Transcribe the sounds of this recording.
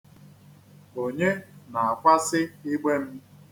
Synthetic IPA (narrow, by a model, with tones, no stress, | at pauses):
o˨ɲe˦na˨a˨kʷa˦sɪ˦ɪ˦ɡ͡be˦m̩˦